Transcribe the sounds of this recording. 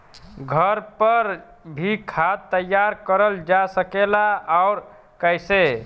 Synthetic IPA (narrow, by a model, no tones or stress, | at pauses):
ɡʱəɾpəɾ | bʱikʰad̪̚t̪ːəjːaɾkəɾəld͡ʒasəkelaaʊɾ | kəjse